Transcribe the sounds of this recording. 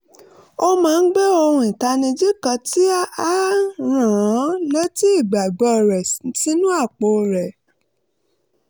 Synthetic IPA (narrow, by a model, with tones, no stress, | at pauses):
o˧mãː˨˧n̩˦ɡ͡be˦o˧hũ˧ĩ˨ta˧nĩ˧d͡ʒi˦kã˧ti˦a˦a˦ɾ̃ã˨˦le˦ti˦i˦˨ɡ͡ba˨ɡ͡bɔ˧˨ɾɛ˨si˨˦ti˦nũ˦a˦˨k͡po˧˨ɾɛ˨